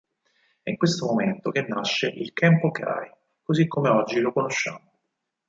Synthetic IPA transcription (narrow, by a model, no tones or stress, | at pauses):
ɛiŋkwest̪omoment̪ok̟enːaʃːeʔilt̪ɛmpokea̰a̰j | kozikːomeɔd͡ʒːilokonoʃːa̰ːmo